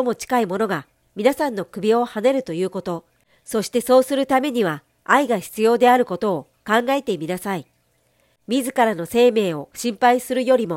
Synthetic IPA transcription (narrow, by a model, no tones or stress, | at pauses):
omo̞t͡ɕi̥kaimo̞no̞ɡa | mʲinasãnːo̞kɯ̟bʲio̞hane̞ɾɯ̟t̪o̞jɯ̟ːko̞t̪o̞ | so̞ɕi̥t̪e̞so̞ːsɨɾɯ̟t̪ame̞ɲ̟iβ̞aː | iɡaçi̥t͡sɨjo̞ːd̪e̞aɾɯ̟ko̞t̪o̞ː | kãŋɡae̞t̪e̞mʲinasai | mʲizɨkaɾano̞se̞ːme̞ːo̞ɕĩmpaisɨɾɯ̟jo̞ɾʲimo̞